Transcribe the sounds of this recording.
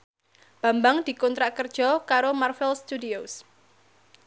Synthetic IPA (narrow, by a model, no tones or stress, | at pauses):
b̥a̤mbaŋd̪̥i̤kɔnt̪ɾaʔkərd̥ʒ̥ɔkaɾomarfɛlst̪udios